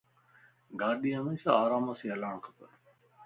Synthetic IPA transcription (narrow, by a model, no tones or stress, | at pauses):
ɡaːɗiːɦəmeːʃaːaːɾaːmaːsĩːəlaːɳkʰə̥pə